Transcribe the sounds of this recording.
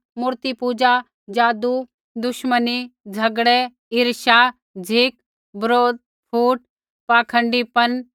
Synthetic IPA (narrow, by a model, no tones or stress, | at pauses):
muːɾt̪ipuːd͡ʒa | d͡ʒaːd̪u | d̪ʊʃmənid͡ʒʱɐɡɽe | ɪɾʃaː | d͡ʒʱɪk | bəɾoːd̪̚ | pʰuːʈ̚ | paːkʰə̃ɳɖipɐn